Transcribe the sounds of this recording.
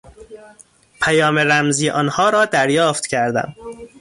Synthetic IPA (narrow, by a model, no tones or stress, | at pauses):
pʰæjɒːmeɾæmziːʔɒːnhɒːɾɒːd̪æɾjɒːft̪cʰæɾd̪æ̰m